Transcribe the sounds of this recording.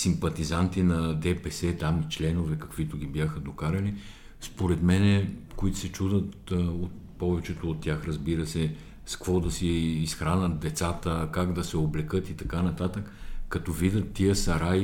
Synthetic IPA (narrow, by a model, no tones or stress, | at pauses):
simpɐt̪izant̪inɐd̪ɛpɛsɛt̪amit͡ʃlɛnovɛkɐkv̥it̪ʊɡ̟ibjaxəd̪okaɾɐli | spoɾɛt̪mɛnɛkoit̪ʊ̥sɛt͡ʃud̪ət̪ | ot̪ | pɔvɛt͡ʃɛt̪oːt̪ːʲjaxɾɐzbiɾəsɛ | skvɔd̪ɐsiːsxɾanət̪̚d̪ɛt̪sat̪əkaɡd̪ɐsɛoblɛkɤt̪it̪ɐkanɐt̪at̪əkːɐt̪ɔvid̪ət̪ːiəsɐɾaj